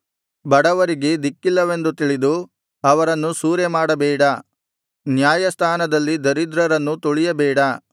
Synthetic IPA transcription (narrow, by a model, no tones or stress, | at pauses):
bɐɽɐʋɐɾiɡed̪ikːilːɐʋe̞nd̪ut̪iɭid̪u | ɐʋɐɾɐnːusuːɾjemaːɽɐbɛːɽɐ | njaːjɐst̪ʰaːnɐd̪ɐlːid̪ɐɾid̪ɾɐɾɐnːut̪oɭijɐbɛːɽɐ